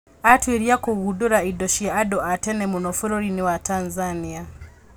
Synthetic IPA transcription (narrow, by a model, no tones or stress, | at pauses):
atweɾjakoɣuduɾaidɔʃiaadɔʔatɛnɛmunɔfuɾɔɾiniwatʰanzania